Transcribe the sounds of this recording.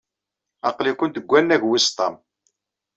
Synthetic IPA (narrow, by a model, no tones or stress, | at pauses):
ɑqlikʷːənt̪əɡʷːænːæʝwist̪ˤɑ̰m